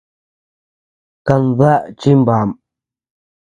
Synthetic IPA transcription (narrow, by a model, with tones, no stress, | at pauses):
ka˧nða˦˨ʔt͡ʃi˦mba˨m